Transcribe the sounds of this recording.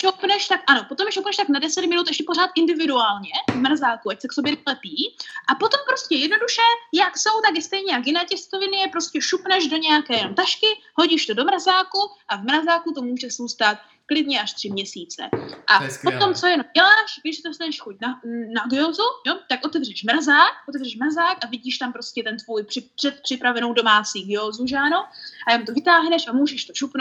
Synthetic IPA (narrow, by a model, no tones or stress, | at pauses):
ʃowpnɛʃt̪akʔano̞pot̪omʃowpnɛʃt̪aknadɛsɛt̪mɪnut̪ʔɛʃcɛpo̞r̝aːt̪ʔɪndɪvɪduaːlɲɛvmrazaːkuʔacsɛkso̞bjɛnɛlɛpiːʔapo̞t̪o̞mpɾo̞scɛjɛdno̞duʃɛjakso̞wt̪akɪst̪ɛjɲɛjakjɪnɛːcɛst̪ovɪnɪjɛpɾoscɛʃupnɛʒdo̞ɲɛjakɛːjɛnomt̪aʃkɪho̞ɟiːʃt̪odo̞mɾazaːkuʔavmɾazaːkut̪o̞muːʒɛsuwst̪aːt̪̚ | klɪdɲɛaʃt̪r̥ɪmɲɛsiːt͡sɛ̰ʔapot̪o̞mt͡so̞jɛnomɟɛlaːʃɡdɪʃsɛt̪ost̪anɛʃxoc̚nanaɡɪoːzujot̪akʔot̪ɛvrɛʃmɾazaːk̚ʔot̪ɛvrɛʃmɾazaːkʔavɪɟiːʃt̪ampɾo̞scɛt̪ɛnt̪vuːjpr̥ɪpr̥ɛt̪̚pr̥ɪpɾavɛno̞wdo̞maːt͡siːɡɪoːzuʒaːnoajamt̪ovɪt̪aːɦnɛʃamuːʒɛʃt̪o̞ʃupn